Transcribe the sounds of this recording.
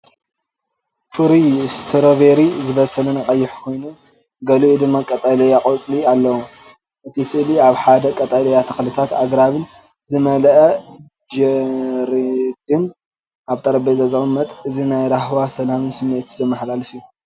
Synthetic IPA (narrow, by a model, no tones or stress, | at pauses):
fɨɾijst̪ʰɨɾoveɾizɨβɐsɐlɐnakʼɐjːɪħkʰo̞jnu | ɡɐluʔud̪ɨmːakʼɐt̪ʼalɐjakʼot͡sʼlialːɐwu | ʔɨt̪ʰisɨʔliaβħad̪ɐkʼɐt̪ʼalɐjat̪ʰɐxlɨt̪ʰat̪aɡɾaβɨn | zɨmɐlʔɐ | d͡ʒɛɾid̪ɨn | aβt̪ʼɐɾɐbezɐzɨʔʼɨmːɐt̪ʼɨzinajɾahwasɐlamɨnsɨmːet̪zɐmːɐħlalɐfiju